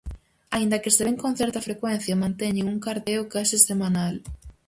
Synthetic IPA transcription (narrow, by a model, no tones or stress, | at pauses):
aind̪ɐkɪseβeŋkoŋθɛɾt̪ɐfɾekwɛn̟θjɐmãnt̪eɲɪuŋkaɾt̪eokasesemanal